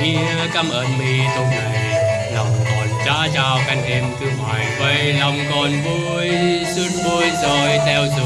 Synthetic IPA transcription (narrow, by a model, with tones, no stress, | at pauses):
ŋi˧˥ka˧mʔəː˨˩nmi˧˩t̪o˧ŋ͡mlə˨˩j | la˨˩mkɔː˨˩nt͡ɕaː˧˦˥t͡ɕaː˧wkʰa˧ŋʔe˧nt̪ʰɨ˧ma̰ː˨˩jva˧˩jla˨˩mkɔː˨˩nvu˧ | jsɨ˦˧˥t̚vo˧jsɔː˧˩jt̪ʰɛ˧wsɨ˨˧˩